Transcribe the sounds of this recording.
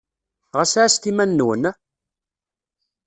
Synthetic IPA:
ʁəsʕast̪imænːwən

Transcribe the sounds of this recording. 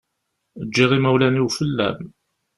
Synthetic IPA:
əd͡ʒːiʁimæwlæniwfəlːæ̰m

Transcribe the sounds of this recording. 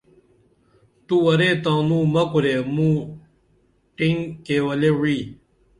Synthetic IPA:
t̪uɐɾet̪ãːnũːmɐkuɾemũ | ʈiŋkeːwɐlewiː

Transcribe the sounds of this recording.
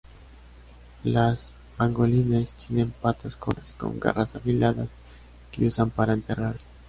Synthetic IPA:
las | aŋɡolinest̪ʰjene̞mpat̪askoasko̞̰ŋɡa̰rasafilaðas | keusampaɾaent̪eraɾse̥

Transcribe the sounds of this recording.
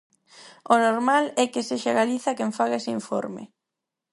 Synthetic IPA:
onoɾmalɛkeseʃaɣaliθakeɱfaɣeseiɱfo̰ɾmɪ̰

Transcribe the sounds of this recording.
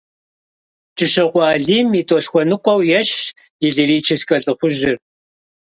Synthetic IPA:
t͡ʃʼɨʃɐqʷɑːɮiːmitʼoːɬxʷɔnɨqʷɔwjɛɕ | ɪɮiriːt͡ʃʰɪskʼɐɬʼɨχʷʊʒɪr

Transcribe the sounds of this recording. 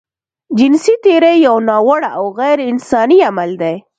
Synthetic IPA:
d͡ʒɪnsit̪eɾejawnɑwaɽaawɣajɾɪnsɑniamald̪ej

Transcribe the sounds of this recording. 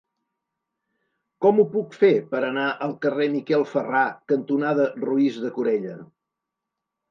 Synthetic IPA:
kɔmupukfepəɾənaʔəlˠkəremikɛlˠfərakənt̪unaðəruizðəkuɾɛʎə

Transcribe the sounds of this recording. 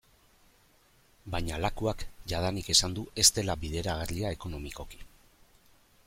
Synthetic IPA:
bajɲalakuakʝað̞anike̞sand̪ue̞st̪e̞labiðe̞ɾaɣ̞arliae̞ko̞no̞miko̞ki̥

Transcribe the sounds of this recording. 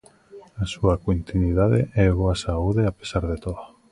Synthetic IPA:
asuakoint̪iniðaðḛʔɛβoasauðeapesaɾðet̪oða

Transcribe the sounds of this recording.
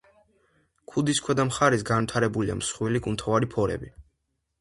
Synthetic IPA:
kʰud̪iskʰwɛd̪amχaɾɛsɡanvwit̪ʰaɾɛbulia̰msχwilikʼunt̪ʰɔvaɾipʰɔɾɛ̰bi

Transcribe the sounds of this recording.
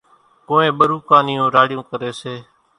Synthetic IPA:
kõːẽːɓəɾuːkãːnɪjũːɾaːɽɪjõːkəɾeːseː

